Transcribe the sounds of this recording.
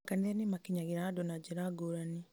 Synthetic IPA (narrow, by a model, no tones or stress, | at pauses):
kaniɾanimakiɲaɣeɾadonad͡ʒiɾaɡoɾani